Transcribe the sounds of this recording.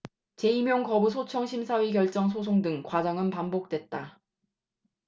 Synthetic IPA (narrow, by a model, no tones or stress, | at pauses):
t͡ɕe̞imjoŋkʌbus̬ʰot͡ɕʰʌŋɕʰimsʰawikjʌɭt͡ɕ͈ʌŋsʰos̬ʰoŋdɯŋkwad͡ʑaŋɯnpambok̚t͈we̞t̚t͈a